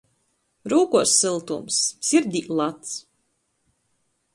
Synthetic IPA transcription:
ɾuːkuɔsːɨlˠt̪umsːiɾd̪ʲiːlˠat̪s

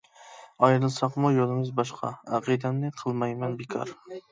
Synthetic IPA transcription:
ɑjɾɨlˠsɑqmujolˠɪmɨzbɑʃqʰɑ̰ɑqʰɨd̪ænːɪqʰɨlˠmɑjmɛnbɪkʰɑ̰ɾ

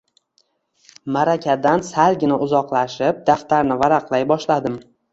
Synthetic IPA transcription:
maɾakʲʰad̪ansalɡʲɪnaʊzɒqlˠaʃɪp̚d̪aft̪aɾnɪvaɾaqlˠajbɒʃlad̪ɪm

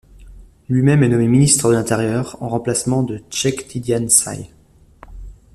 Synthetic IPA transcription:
lɥimɛmɛnɔmeminist̪χəd̪əlɛ̃t̪eʁjœʁɑ̰̃ʁɑ̃plasmɑ̃d̪ət͡ʃɛkt̪ʰid̪jansa̰j

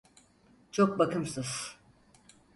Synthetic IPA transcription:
t͡ʃʰok̚bakɯmsɯz̥

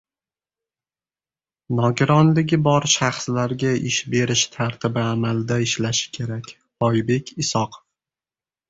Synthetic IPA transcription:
nɒɡʲɪɾɒnlɪɡʲɪbɒɾʃaχslaɾɡʲaʔɪʃbe̞ɾɪʃt̪ʰaɾt̪ʰɪbɪamalɪd̪aɪʃlaʃɪ̥kʲʰe̞ɾakʲ | hɒjbe̞kʲʰɪsɒqʰf

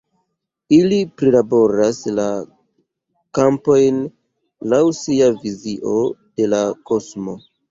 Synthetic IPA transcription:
ilipɾilabo̞ɾasla | kampo̞jn | lawsiaviziʔo̞d̥e̞lako̞smo̞

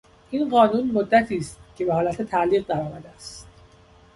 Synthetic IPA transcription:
ʔinɢɒːnuːnmod̪ːæt̪ʰiːst̪̚cʰe̞behɒːlæt̪ʰe̞t̪ʰæʔliːɣ̚d̪æɾɒːmæd̪eæst̪t̪

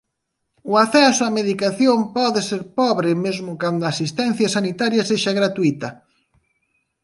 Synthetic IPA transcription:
ʊaθɛsʊameðikaθjompɔðɪseɾpɔβɾɪmezmʊkand̪ʊaːsist̪ɛn̟θjɐsanit̪aɾjɐseʃaɣɾat̪uit̪ɐ

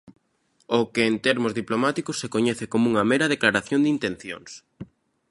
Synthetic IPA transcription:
okɪːnt̪ɛɾmʊzðiplomat̪ikʊsːekoɲɛθɪkomuŋɐmɛɾɐð̞eklaɾaθjond̪int̪ẽn̟θjo̰ŋs

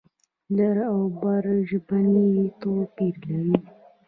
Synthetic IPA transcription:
laɾawbaɾʒbanijit̪opiɾlaɾi

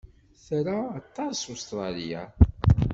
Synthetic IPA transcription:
θɾaːt̪ˤːɑsust̪ɾˤɑlḭja̰

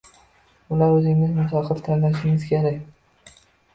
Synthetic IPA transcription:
bʊlaɾɵzɪŋɪzmʊsɑqʰɨɾt̪ʰanlaʃɪŋɪz̥kʲʰeɾakʲ

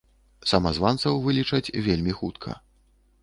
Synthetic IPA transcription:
sɐmɐzvant̪sɐwvɨlʲit͡ʂɐt͡sʲvʲelʲmʲixut̪kʰɐ̰

